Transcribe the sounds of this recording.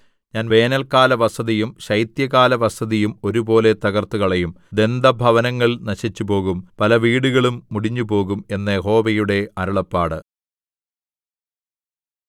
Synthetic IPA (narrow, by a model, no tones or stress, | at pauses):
ɲaːnʋe̞ːnɐlkaːlɐʋɐsɐðijumɕɐjt̪jɐɣaːlɐʋɐsɐðijumo̞ɾubo̞ːle̞t̪ɐɣɐrt̪ːuɣɐɭejum | d̪e̞nd̪ʱɐbʱɐʋɐnɐŋːɐɭnɐɕit͡ɕːupo̞ːɣumpɐlɐʋiːɽuɣɐɭumːuɽiɲːupo̞ːɣume̞nːɐjeɦo̞ːʋɐjuɽe̞ɐɾuɭɐpːaːɽɨ